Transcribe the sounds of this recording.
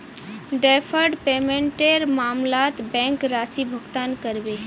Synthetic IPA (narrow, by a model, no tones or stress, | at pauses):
ɖeːpʰəɾɖpeːmẽɳʈeɾmaːmlaːt̪bɛ̃ːŋkɾaːsibʱəɡt̪aːnkəɾbe